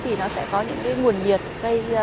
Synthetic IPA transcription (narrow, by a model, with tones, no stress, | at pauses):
t̪ʰi˨˩nɔ˨˦sɛ̰˧˥kɔ˨˦ɲɨ̰˧˥ŋkaː˨˦jŋu˨˩ənɲi˨˩ət̚ɣə˧j